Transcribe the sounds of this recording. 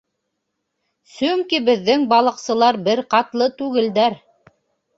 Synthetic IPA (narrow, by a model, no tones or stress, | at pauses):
sɵŋkibɘ̆ðːɘŋbɑlˠɤ̆qsɤ̆lˠɑɾbɘɾqɑt̪lˠɤt̪ʉɡɘ̆ld̪æɾ